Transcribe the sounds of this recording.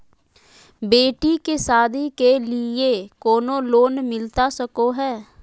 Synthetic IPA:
beːʈikesaːd̪ʱikelɪekoːnõloːnmɪlt̪asəkoɦɛː

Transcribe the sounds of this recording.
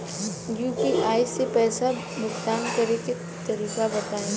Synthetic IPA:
juːpiʔaːɪsepɛːsa | mʊkt̪aːnkɐɾeke | t̪ɐɾiːkabɐt̪aːẽ

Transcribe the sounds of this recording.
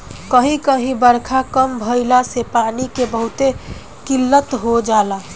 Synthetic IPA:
kəɦĩkəɦĩbəɾkʰakəmbʱəɪlasepaːnikebəɦʊt̪e | kɪlːət̪ɦod͡ʒaːla

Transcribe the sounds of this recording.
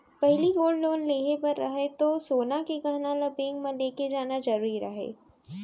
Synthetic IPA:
pɐɦɪliɡoːɖloːnleːɦepɐɾːɐ̰ɦet̪osoːnakeɡɐɦnalɐbẽːŋɡmẽleːked͡ʒaːnad͡ʒɐɾuːɾiɾɐɦḛː

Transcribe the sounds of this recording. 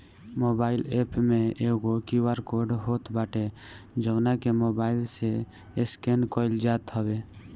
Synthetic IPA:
moːbaːɪleːpmẽeːɡokiwaɾkoɖɦoːt̪baːʈed͡ʒəːnakemoːbaːɪlse | ɪskenkoɪld͡ʒaːt̪ɦəwe

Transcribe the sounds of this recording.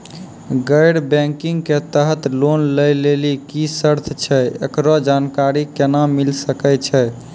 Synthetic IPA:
ɡəjɽbɛ̃ŋkiŋɡket̪əɦət̪lonləjlelikisəɾt̪ʰt͡ʃʰɛḛkɾɔd͡ʒankaɾikenamilsəkɛt͡ʃʰɛ

